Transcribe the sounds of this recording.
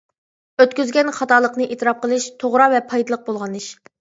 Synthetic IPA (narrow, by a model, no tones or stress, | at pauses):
øt̪kʲyzɡʲɛnχɑt̪ʰɑːlˠəqnɨʔet̪ʰɨɾɑp̚qəlˠɨʃt̪ʰoʁɾɑvɛpʰɑjd̪ɨlˠəq̚bolˠʁɑnɨʃ